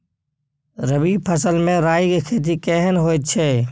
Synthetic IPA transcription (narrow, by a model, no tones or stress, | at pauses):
ɾəbipʰəsəlmẽɾaːikekʰeːt̪̬ikɛɦnɦoːɛt͡ʃʰeː